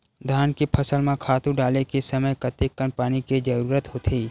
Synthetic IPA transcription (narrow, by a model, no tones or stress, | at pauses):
d̪ʱaːnkipʰɐsəlmẽkʰaːt̪ũɖaːlekesɐməjkɐt̪ekːənpaːnikid͡ʒəɾuːɾət̪ɦoːt̪ʰiː